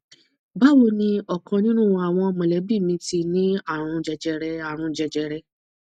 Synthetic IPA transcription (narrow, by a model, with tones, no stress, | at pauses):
ba˦wo˧nĩ˧ɔ˨kã˧nĩ˦nũ˦˨˧a˨w̃ɔ̃˧mõ˧lɛ˨˦bi˦˨mĩ˧ti˧nĩ˦a˦˨ɾ̃ũ˧d͡ʒɛ˧d͡ʒɛ˧ɾɛ˧a˦˨ɾ̃ũ˧d͡ʒɛ˧d͡ʒɛ˧ɾɛ˧˦